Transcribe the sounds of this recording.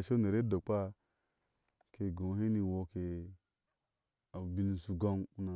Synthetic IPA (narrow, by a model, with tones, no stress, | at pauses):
ʃe˦ne˨ɾe˦do˨k͡pa˦ | ke˨ɡõ˨˦ɦe˦ni˨wo˦ke˨ | a˨bi˦˨ni˨su˨ɡo˦ŋu˦na˨